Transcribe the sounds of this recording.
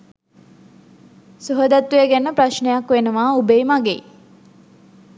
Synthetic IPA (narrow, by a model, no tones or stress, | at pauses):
suɦəd̪at̪ːujeɡænːəpraʃnejakʋenəʋaːubeːmaɡḛ